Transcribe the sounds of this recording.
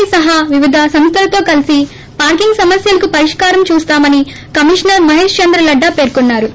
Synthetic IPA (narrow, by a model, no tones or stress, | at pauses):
isɐɦaʋiʋid̪ʱɐsɐmst̪ʰɐlɐt̪o̞ːkɐlisi | paːɾkiŋɡsɐmɐsjɐlɐkupɐɾiʂkaːɾɐmt͡ʃuːst̪aːmɐni | kɐmiʂnɐɾmɐɦeːʂt͡ʃɐnd̪ɾɐlɐɖːaːpe̞ːɾkunːaːɾu